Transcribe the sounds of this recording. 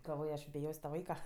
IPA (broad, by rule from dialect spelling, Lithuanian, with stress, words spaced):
ɡɐlˠˈʋoːj ɐʃ bʲɪˈjoːsʲ tɐ ˈʋɐɪkɐ